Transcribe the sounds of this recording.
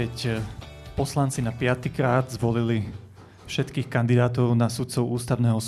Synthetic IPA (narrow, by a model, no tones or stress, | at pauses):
ɛc | pɔslant͡sinapɪat̪ikɾaːd̪zʋɔlili | fʃɛt̪kiːxkand̪id̪aːt̪ɔʊnasut̪t͡sɔʊuːst̪aʊnɛːɦɔs